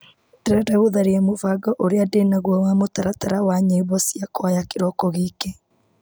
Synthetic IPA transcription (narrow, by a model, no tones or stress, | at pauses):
dɛɾɛdaɣoðaɾeɛmovaɡɔʔoɾeadenaɣwɔwamotaɾataɾawaɲeiβɔsjakɔajakeɾɔkɔɣike